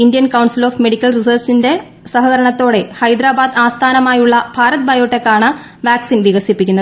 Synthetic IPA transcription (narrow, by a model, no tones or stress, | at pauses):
indijɐnkɐwɳsilo̞ːfme̞ɽikʲːɐlrisɐrsinde̞ | sɐɦɐɣɐɾɐɳɐt̪ːo̞ːɽe̞hɐjd̪ɾaːbaːd̪aːst̪ʰaːnɐmaːjuɭːɐbʱaːɾɐt̪̚bʱɐjoːʈːe̞kːaːɳɐ | ʋaːksinʋiɣɐsipːikʲːunːɐð